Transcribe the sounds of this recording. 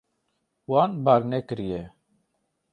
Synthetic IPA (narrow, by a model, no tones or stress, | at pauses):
waːnbaːɾneːkəɾijeː